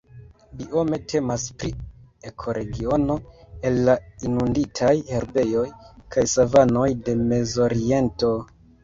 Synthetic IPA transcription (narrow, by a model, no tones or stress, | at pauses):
bio̞me̞tʰe̞maspɾie̞kʰo̞ɾʔe̞ɡiono̞e̞lːainunditʰajhe̞ɾbe̞jo̞jkʰajsavano̞jde̞me̞zo̞ɾie̞nto̞